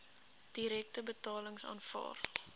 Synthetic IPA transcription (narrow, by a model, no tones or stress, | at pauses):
d̥iɾɛk̚təbətɑːləŋsɑ̰ːnfɑ̰ːr